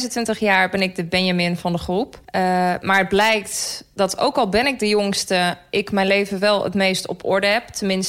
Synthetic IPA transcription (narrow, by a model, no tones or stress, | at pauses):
zəntʋɪntəχjaːɹbɛnɪk̚dəbɛnjamɪnvɑndəχrupmaːɹəd̚blɛjktd̥ɑtʰo̰wkɑlˠbɛnɪk̚dəjʊŋstəʔɪkmɛjnlejvəʋɛlˠə̰tmejstɔ̰pʰɔ̰ɹdəɦɛp̚tʰənmɪns